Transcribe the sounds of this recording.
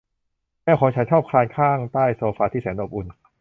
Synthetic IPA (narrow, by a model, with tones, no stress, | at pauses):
nɛː˥˩kʰɔː˩˦ŋt͡ɕʰa˩˦˥nt͡ɕʰɔː˥˩p̚kʰlaː˧nkʰaː˥˩ŋt̪aː˥˩jsoː˧faː˧t̪ʰiː˥˩sɛː˩˦nʔoː˨˩p̚ʔu˨˩n